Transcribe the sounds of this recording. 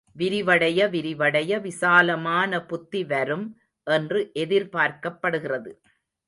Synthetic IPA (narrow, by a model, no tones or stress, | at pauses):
ʋɪɾɪʋɐɽɐjɐʋɪɾɪʋɐɽɐjɐʋɪsaːlɐmaːnɐpʊt̪ːiʋɐɾɯm | ʔɛndrɯʔɛðɪɾpaːɾkɐpːɐɽɯɣɪrɐðɯ